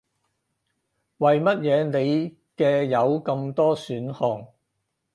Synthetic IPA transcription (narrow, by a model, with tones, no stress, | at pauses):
wɐ˨jmɐ˥t̚jɛː˨˧ne˨˧j | kɛː˧jɐ˨˧wkɐ˧mt̪ɔː˥syː˨˥nhɔː˨˩ŋ